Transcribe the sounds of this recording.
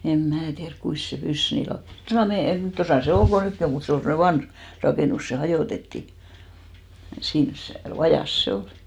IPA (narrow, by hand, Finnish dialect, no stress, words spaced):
em mæː tiærk kuis se pys niː lɑu tosɑˑ meijæ tosɑˑ se ol ko nykːi om mut se ol semne ʋɑnh rɑkeˑnus se hɑjoˑtetːi siːns se ʋɑjɑˑs se oli̥